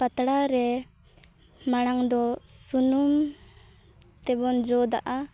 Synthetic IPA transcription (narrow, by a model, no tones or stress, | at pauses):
pat̪ɽaɾɛ | maɽ̃aŋd̪ɔsunum | t̪ɛbɔnd͡ʒɔd̪a̰ʔa